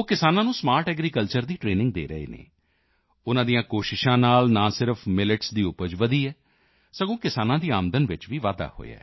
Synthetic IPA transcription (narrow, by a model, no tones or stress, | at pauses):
oːkɪsaːnãːnũːsmaːɾʈɛːɡɾiːkəlt͡ʃəɾd̪iːʈɾeːnɪ̃ŋɡ̚d̪ḛːɾə̰ḛːnḛ̃ː | ʊnãːd̪ijãːkoːʃɪʃãːnaːlnãːsɪɾəpʰmɪlɪʈsd̪iːʊpəd͡ʒʋəd̪iːɛː | səɡõːkɪsaːnãːd̪iːaːmd̪ənʋɪt͡ʃʋiːʋaːd̪a̰ːho̰ːḛa̰ː